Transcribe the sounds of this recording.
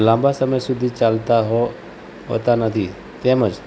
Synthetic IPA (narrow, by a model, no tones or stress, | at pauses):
lãːmbasəməjsʊd̪ʱit͡ʃalt̪aɦo | ɦo̰t̪anət̪ʰi | t̪eməd͡ʒ